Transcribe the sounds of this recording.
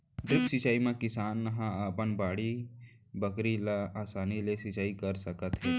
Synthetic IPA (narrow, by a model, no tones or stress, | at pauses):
ɖɾɪpsɪt͡ʃaːimẽkɪsaːnːɦãaːpənbaːɽi | bəkɾilaaːsaːnileʃɪt͡ʃaːikɐɾsəkət̪ɦɛː